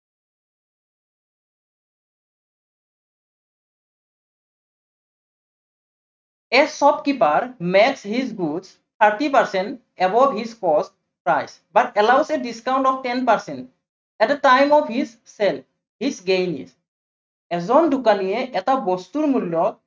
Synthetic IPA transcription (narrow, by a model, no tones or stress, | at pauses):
ɛsɔb̚kipaɹmɛkshizɡuds | t̪ʰaɹʈipaɹsɛnt | ɛbɔfɦizkɔst̚ | pɹajs | batɛlawsɛdiskaw̃nʈɔfʈɛnpaɹsɛ̃nt | ɛt̚dɛtajmɔfɦiz | sɛl | hizɡejnḭs | ɛzɔnɖukanijɛʔɛtabɔst̪uɹmulːɔ